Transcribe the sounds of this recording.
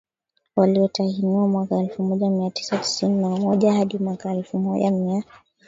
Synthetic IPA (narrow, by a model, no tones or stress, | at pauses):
waliɔtahiniwamwakaɛlfumɔʄamiati̥sati̥sininawamɔʄahaɗimwakaɛlfumɔʄa̰mia